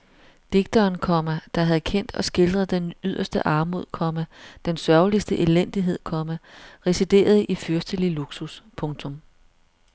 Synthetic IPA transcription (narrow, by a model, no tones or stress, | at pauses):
d̥eɡ̥̚d̥ɐːnkʰɒ̽mæd̥ɑ̈ɦæð̞̩ˠkʰen̰d̥ɒ̽sɡ̥e̝ld̥ʁɐð̞̩ˠd̥enyð̞̰ˠɐsd̥əʔɑ̈ːmo̝ð̞̰ˠkʰɒ̽mæd̥ensɶɐlisd̥əʔelen̰d̥iɦe̝ð̰ˠkʰɒ̽mæʁɛsid̥e̝̰ːɐð̞ˠʔifyɐsd̥əliluɡ̥suspʰɔ̽ŋt͡sʰɔ̽m